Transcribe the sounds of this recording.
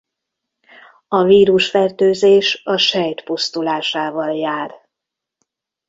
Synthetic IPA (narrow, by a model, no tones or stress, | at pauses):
ɒviːɾuʃfɛrt̪øːzeːʃɒʃɛjt̪pust̪ulaːʃaːvɒljaːr